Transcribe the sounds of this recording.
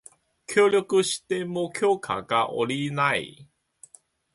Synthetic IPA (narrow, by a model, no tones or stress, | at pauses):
kʲjoːɾʲjokɯɕi̥t̪e̞mokʲʰo̞ːkʰa̰ɡaʔo̰ɾʲinaḭ